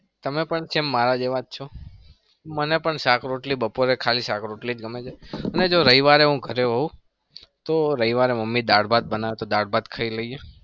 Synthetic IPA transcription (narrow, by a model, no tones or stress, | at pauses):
t̪əmepəɳt͡ʃʰemːaɾad͡ʒeʋat̪̚t͡ʃʰo | mənepəɳsakʰɾoʈlibəpoɾekʰalisakʰɾoʈlid͡ʒɡəmed͡ʒaəned͡ʒoɾəiʋaɾeɦũɡʱəɾeʋəɦũ | t̪oɾəɦiʋaɾeməmːid̪aɽbad̪̚bənaʋet̪od̪aɽbad̪kʰəiləie